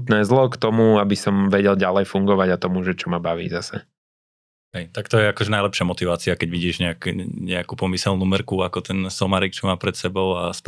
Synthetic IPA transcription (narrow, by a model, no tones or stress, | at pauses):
t̪nɛːzlɔkt̪ɔmuabisɔmʋɛɟɛlɟalɛjfuŋɡɔʋaɟat̪ɔmuʒɛt͡ʃɔmabaʋḭːzasɛ̰ | ɦɛjt̪akt̪ɔjɛakɔʒɛnajlɛpʃɪamɔt̪iʋaːt͡siakɛɟʋiɟiːʒɲɛakɲɛakuːpɔmisɛlˠnuːmr̩kuakɔt̪ɛnsɔmaɾik̚t͡ʃɔmaːpɾɛt̪sɛbɔʊasp